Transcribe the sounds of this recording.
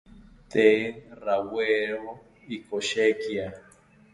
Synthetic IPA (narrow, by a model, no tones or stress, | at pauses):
t̪eraweɾo | ikoʃekia